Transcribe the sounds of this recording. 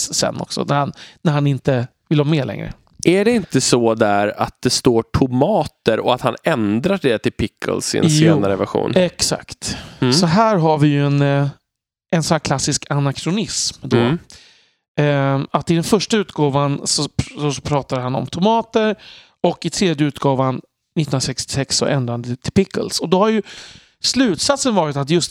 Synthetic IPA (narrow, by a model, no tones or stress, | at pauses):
sɛ̰nːɔ̰ksɔ̰næɾhannæɾhanɪnt̪ə | vɪlhɑːmeːlɛ̰ŋɾə̰ | ʔæɖɛɪnt̪əsɔd̪æɾa̰t̪̚d̪ɛst̪oːʈʰʊmɑːtt̪əɾɔat̪hanɛnd̪ɾaɖɛt̪ʰɪlpʰɪkʰːə̰lsɪ̰nseːnaɾəvæ̰ɾɧṵːnɛksa̰kt̪sɔɦæːɾɦaɾvɪjɵɛn | ɛnsɔnæːkʰlasːɪskʰanakʰɾʊnɪsmd̪o | at̪ːɪd̪ɛnfœʂʈaʉ̟ːt̪ɡoːvansɔsɔpʰɾɑːt̪ad̪ɦanɔ̰mt̪ʰʊmɑːt̪əɾ | ɔkːɪt̪ʰɾeːd̪jəʉ̟ːt̪ɡɑːvan | nɪt̪ːɾasɛkst̪ɪ̥sɛksːɔ̰ʔɛ̰nd̪ɾand̪ət̪ʰɪlpɪkːə̰lsɔd̪ɔhaɾjɵ | slʉ̟ːt̪sat̪sənvɑːɾɪt̪at̪jɵst̪